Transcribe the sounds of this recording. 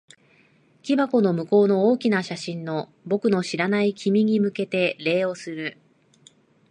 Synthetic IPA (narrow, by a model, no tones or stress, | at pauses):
kʲibako̞no̞mɯ̟ko̞ːno̞oːkʲinaɕaɕĩnːo̞ | bo̞kɯ̟no̞ɕiɾanaikʲimʲiɲ̟imɯ̟ke̞t̪e̞ɾe̞ːo̞sɨɾɯ̟